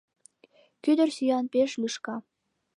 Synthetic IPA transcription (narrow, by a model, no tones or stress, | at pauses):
kyd̪ə̆rsyjɑnpeʃlʲyʃkɑ